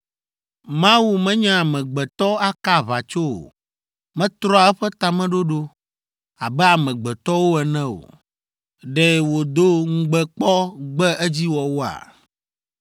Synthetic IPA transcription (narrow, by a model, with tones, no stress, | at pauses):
mã˦wu˦mɛ̃˦ɲã˦a˨mɛ̃˨ɡ͡bɛ˨t̪ɔ˦a˦ka˦βa˨t͡ʃo˦o̰˨ | mɛ̃˦t̪ɾɔ˦a˨˦ɛ˦ɸɛ˦t̪a˨mɛ̃˦ɖo˦ɖo˦ | a˨bɛ˦a˨mɛ̃˨ɡ͡bɛ˨t̪ɔ˦wo˦ɛ˨nɛ̃˦o̰˨ | ɖɛ˨wo˨d̪o˦ŋ̩˦ɡ͡bɛ˦k͡pɔ˦ɡ͡bɛ˦ʔɛ˦d͡ʑi˦wɔ˨wo˦a̰˨